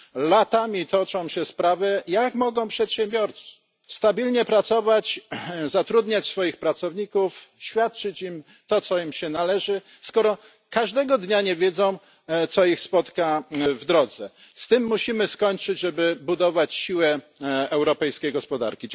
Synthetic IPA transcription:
lat̪amʲit̪ɔt͡ʂɔ̃w̃ɕɛspɾavɛjakmɔɡɔ̃w̃pʂɛt̪ɕɛmbʲjɔɾt̪s | st̪abʲilɲɛpɾat̪sɔvat͡ɕzat̪ɾud̪ɲat͡ɕsfɔjixpɾat̪sɔvɲikufɕfʲjat̪̚t͡ʂɘt͡ɕim | t̪ɔt̪sɔimɕɛnalɛʐɘ | skɔɾɔ | kaʐd̪ɛɡɔd̪ɲaɲɛvʲjɛd̪zɔ̃w̃ | t̪sɔixspɔt̪kavd̪ɾɔd̪zɛ | st̪ɘmːuɕimɘskɔɲt͡ʂɘd͡ʑʐɛbɘbud̪ɔvat͡ɕɕiwɛ | ɛwɾɔpɛjskʲejɡɔspɔd̪a̰ɾkʲi

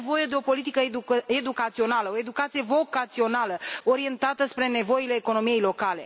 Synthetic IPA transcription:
vo̞je̞d̪e̞o̞po̞lit̪ikəed̪ukat̪sio̞naləo̞e̞d̪ukat̪sije̞vo̞kat̪sio̞naləo̞ɾie̞nt̪at̪əspɾe̞ne̞vo̞ile̞ːko̞no̞mije̞jlo̞kale̞̰

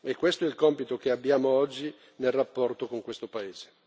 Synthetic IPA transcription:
ekːwest̪oɛilkɔmpit̪okeabːjaːmoɔd͡ʒːi | nelrapːɔrt̪okoŋkwest̪opaeːz̥e̥

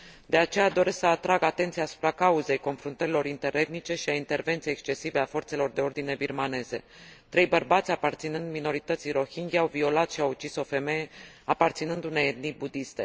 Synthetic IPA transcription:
d̪̥e̞at͡ʃe̞jad̪o̞ɾe̞sksəat̪ɾaɡat̪e̞nt̪siaːsu̥pɾakauze̞jko̞nfɾunt̪əɾilo̞ɾint̪e̞ɾʔe̞d̪nit͡ʃe̞ʃiaint̪e̞rve̞nt̪siekst͡ʃe̞sive̞afo̞rt̪se̞lo̞rd̪e̞o̞rd̪ine̞birmane̞ze̞̰ | t̪ɾe̞jbərbat̪sʲapart̪sinɨnd̪mino̞ɾit̪ət̪sijɾo̞çiŋɡʲiawvio̞lat̪ʃiawut͡ʃiso̞fe̞me̞jeapart̪sinɨnd̪une̞jed̪̚nibud̪ist̪e̞̰

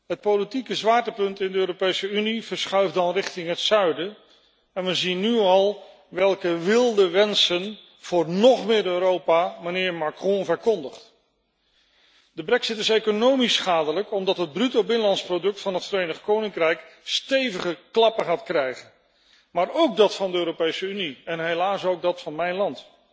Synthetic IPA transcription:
ɦət̚powlitikəzʋaːɹtəpɵntɪndəøːɾopejsəyniv̥əɹsχœɥfdɑnrɪχtɪŋɦətsœɥdə | ɛnʋəzinːyɑlˠ | ʋɛlˠkəʋɪlˠdəʋɛnsən | v̥ʊːɹnɔχmɪːɾøɾowpamanɪːɹmakrɔ̃vəɹkɔndəχt | dəbrɛksɪtɪsejkonowmisχaːdələkɔmdɑtɦəd̚brytowbɪnəlɑntsprodɵk̚tfɑnɦətfərejnəχkownɪŋkrɛjkstejvəχəklɑpəχaːtkrɛjχən | maːɹowk̚dɑtfɑndəøːɾopejsəyniɛnɦejlaːsowɡ̚dɑtfɑnmɛjnlɑnt

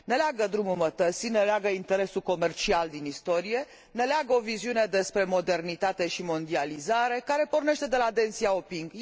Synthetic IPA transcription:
ne̞leaɡəd̪ɾumumət̪ət̪sine̞leaɡəint̪e̞ɾe̞suko̞me̞rt͡ʃiald̪inist̪o̞ɾije̞ | ne̞leaɡəo̞viziune̞d̪e̞spɾe̞mo̞d̪e̞rnit̪at̪e̞ʃimo̞nd̪ializaɾe̞kaɾe̞po̞rne̞ʃt̪e̞d̪e̞laːt̪ent̪siaopiŋɡ

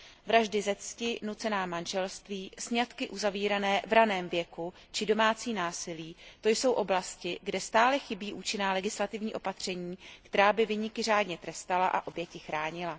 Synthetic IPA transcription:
vɾaʒdɪzɛt͡scɪnut͡sɛnaːmanʒɛlst̪viːsɲat̪kɪʔuzaviːɾanɛːvɾanɛːmvjɛku | t͡ʃɪdo̞maːt͡siːnaːsɪliːt̪o̞jso̞wʔo̞blascɪɡdɛst̪aːlɛxɪbiːʔuːt͡ʃɪnaːlɛɡɪslat̪ɪvɲiːʔo̞pat̪r̝̥ɛɲiːkt̪ɛɾaːbɪvɪɲɪkɪr̝aːdɲɛt̪ɾɛst̪alaʔa̰ʔo̞bjɛcɪxɾaːɲɪla

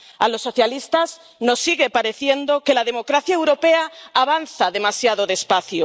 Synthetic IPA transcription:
alo̞sːo̞θjalist̪az | no̞sːiɣepaɾe̞θje̞nd̪okelaðe̞mo̞kɾaθjaewɾo̞peaaβanθaðe̞masjaðoðespaθjo

